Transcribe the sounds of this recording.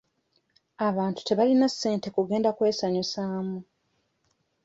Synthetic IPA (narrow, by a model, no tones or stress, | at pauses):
aβaːntu̥te̞βalinasːe̞ːnte̞kuɡe̞ːndakwe̞ːsaɲisaːmu